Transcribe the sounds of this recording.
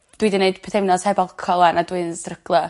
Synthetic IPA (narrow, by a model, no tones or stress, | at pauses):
d̥widɪneɨd̥pʰɛdʰewnɔshɛbɔlˠkʰɔlˠanadwɨnsrəɡ̥lˠə